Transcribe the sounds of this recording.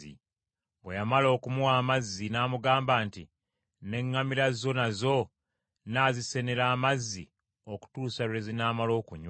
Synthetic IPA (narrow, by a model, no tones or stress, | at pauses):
ḭ | bwejamalo̞ːkumuwaːmazːinaːmuɡaːmbaːnti | ne̞ŋːamiɾazo̞nazo̞ | naːzise̞ne̞ɾaːmazːi | o̞ku̥tuːsaɾezinaːmalo̞ːkuɲ